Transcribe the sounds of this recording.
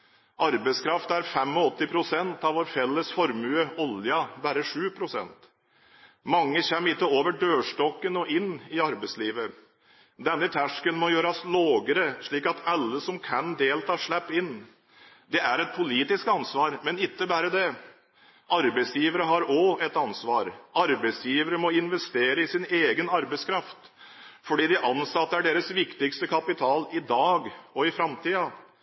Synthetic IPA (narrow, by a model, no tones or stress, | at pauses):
ʔɑɾbɛɪskʰɾɑft̪æɾfɛmːɔɔt̪ːɪpʰɾʊsɛnt̪ɑʋʋoːɾfɛlːəsfɔɾmʉːəɔljɑbæɾəʂʉːpʰɾʊsɛ̰nt̪ | mɑŋːəçɛmːɾɪt̪ːəoːʋəɖøːʂʈɔkːənɔʔɪnːɪɑɾbɛɪsliːʋə | d̪ɛnːət̪ʰæʂkənmɔjøːɾɑsloːɡəɾəʂɭiːkɑt̪ʰɑlːəsɔmkʰænd̪eːlt̪ʰɑːʂɭæpːɪnː | d̪ɛæɾɛt̪̚pʰʊliːt̪ɪskɑnsʋɑːɾmɛnɪt̪ːəbæːɾəd̪ɛ | ʔɑɾbɛɪsjiːʋəɾəɦɑɾɔɛt̪ɑnsʋɑːɾɑɾbæɪsjiːʋəɾəmɔɪnʋɛst̪eːɾəɪsɪneːɡənɑɾbɛɪskʰɾɑft̪ | fɔɖiːd̪ɪʔɑnsɑt̪ːəæɖeːɾəsʋɪkt̪ɪkst̪əkʰɑpɪt̪ʰɑːlɪd̪ɑːɡɔɪfɾɑmt̪ʰiːɑ